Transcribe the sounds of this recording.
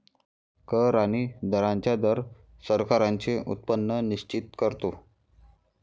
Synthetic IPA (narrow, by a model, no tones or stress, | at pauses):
kəɾaɽ̃id̪ʱəɾãɲt͡ɕjad̪əɾ | səɾkaɾãɲt͡ɕeʔṵt̪̚pənːəniɕt͡ɕit̪kəɾt̪o